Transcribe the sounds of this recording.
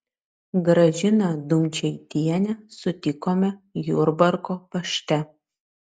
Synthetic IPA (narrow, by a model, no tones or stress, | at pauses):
ɡɾɐʒʲɪnɐd̪ʊmʲt͡ʃʲɛɪt̪ʲiɛnʲɛsʊt̪ʲɪkoːmʲɛjuɾbɐɾkoːpɐʃʲt̪ʲɛ